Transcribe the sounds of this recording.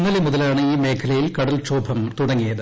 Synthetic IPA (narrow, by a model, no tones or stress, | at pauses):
nːɐlimuðɐlaːɳɨiːme̞ːkʰɐlɐjilkɐɽɐlt͡ɕoːbʱɐmt̪uɽɐŋːijɐðɨ